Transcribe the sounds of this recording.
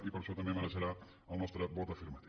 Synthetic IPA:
ipəɾʃɔt̪ɐmemənəʒəɾa | əlˠnɔst̪ɾəbɔt̪ɐfiɾmɐt̪i

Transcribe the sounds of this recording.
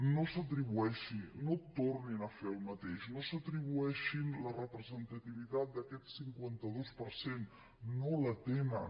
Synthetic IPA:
nosət̪ɾiβuɛʃinot̪orninəfeəlˠmət̪eʃnosət̪ɾiβ̞uɛʃinlərəpɾəzənt̪ət̪iβit̪at̪̚d̪əkɛt̪siŋkwant̪əðospəɾsenː | olət̪enə

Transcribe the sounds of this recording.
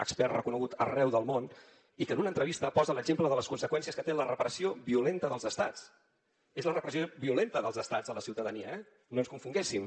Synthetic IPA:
ə̰kspɛrrəkunəɣut̪ə̰rɛwðəlˠmon | ikəːnunəːnt̪ɾəβ̞ist̪əpɔzələɡʒempləðələskunsəkwɛnsiəskət̪elərəpəɾəsioβiulent̪əðəlˠzəst̪at͡s | ezlərəpɾəsioβiulent̪əðəlˠzəst̪ad͡zələsiwt̪əðəniəɛ | noənskuɱfuŋɡesim

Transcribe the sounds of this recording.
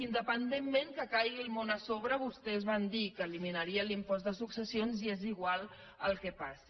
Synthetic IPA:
ind̪əpənd̪emːeŋkəkajɣilˠmonəsoβɾəβust̪ɛzβand̪ikəːliminəɾiəlimpɔzd̪əsuksəsionzieziɣwalˠ | əlˠkɛpasi

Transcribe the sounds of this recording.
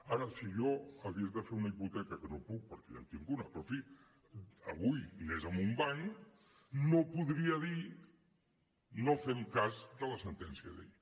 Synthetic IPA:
aɾəsiʒɔəβiezðəfeunəiput̪ɛkəkənopuk̚pəɾkɛla̰nt̪iŋɡunəpɾɔfi | əβujnezəmumbaɲ | nopuðɾiəði | nofɛmkazd̪ələsənt̪ɛnsiəðḛʎ

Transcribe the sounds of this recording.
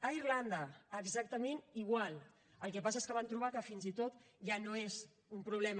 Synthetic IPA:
əirland̪əəɡzak̚t̪əmeniɣwalˠ | əlˠkɛpas̬aeskəβant̪ɾuβ̞akəfinzit̪ot̪ʒanoez | umpɾuβ̞lɛm

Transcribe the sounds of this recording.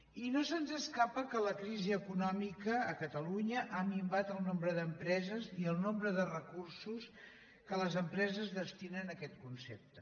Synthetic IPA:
inosənzəskapəkələkɾiziəkunɔmikəːkət̪əluɲəʔamimbat̪əlˠnombɾəðəmpɾɛzəziəlˠnombɾəðərəkursus | kələzəmpɾɛzəzðəst̪inənəkɛt̪kunsep̚t̪ə

